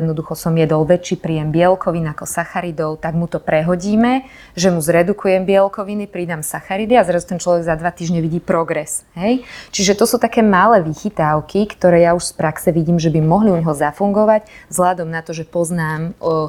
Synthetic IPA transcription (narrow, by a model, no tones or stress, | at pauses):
ɛd̪nɔd̪uxɔsɔmjɛd̪ɔlʋɛt͡ʃipɾijɛmbɪɛlkɔʋinakɔsaxaɾid̪ɔʊt̪aɡmut̪ɔpɾɛɦɔɟiːmɛ | ʒɛmuzɾɛd̪ukujɛmbɪɛlkɔʋinipɾid̪amsaxaɾid̪iazɾazut̪ɛnt͡ʃlɔʋɛɡzad̪ʋat̪iːʒɲɛʋiɟiːpɾɔɡɾɛsɦɛjt͡ʃiʒɛt̪ɔsuːt̪akɛːmalɛːʋixit̪aʊkʰikt̪ɔɾɛːjauʃspɾaksɛʋiɟiːmʒɛbimɔɦliuɲɦɔzafuŋɡɔʋaczɦlad̪ɔmnat̪ɔʒɛpɔznaːm